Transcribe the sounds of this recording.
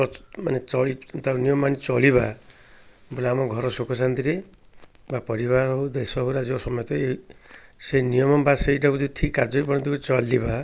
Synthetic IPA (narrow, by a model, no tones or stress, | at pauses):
ɔma̰net͡ʃɔɭit̪awnijɔmanit͡ʃɔliba | bulaamɔɡʱɔɾɔsokʰɔsant̪iɾe | bapɔɾibaɾɔɦud̪esɔɦuɾad͡ʒosɔmɔjɔt̪ɔe | senijɔmɔbaseiʈakut̪iʈʰikkːaɾd͡ʒɔɾipɔɽint̪ikut͡ʃɔliba